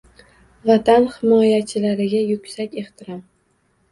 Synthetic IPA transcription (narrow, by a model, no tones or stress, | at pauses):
vat̪ʰanhɪmɒjat͡ʃʰɪlaɾɪɡʲajʊkʲsakʲe̞χt̪ʰɪɾɒm